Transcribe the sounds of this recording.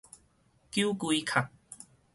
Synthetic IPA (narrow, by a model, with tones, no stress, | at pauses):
ki˦ku˧i˦kʰa˨˩k̚